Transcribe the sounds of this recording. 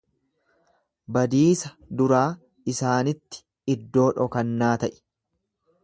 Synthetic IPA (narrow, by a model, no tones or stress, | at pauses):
bɐd̪iːsɐ | d̪ʊɾaː | ɪsaːnɪt̪ːɪ̥ | ɪd̪ːo̞ːᶑɔkɐnːaːt̪ɐʔɪ̥